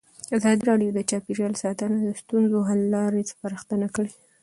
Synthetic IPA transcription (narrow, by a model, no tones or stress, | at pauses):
azɑd̪iɾɑɖjod̪ət͡ʃɑpiɾjɑlsɑt̪ənad̪əst̪unzoɦallːɑɾet͡spaɾəxt̪ənakəɽe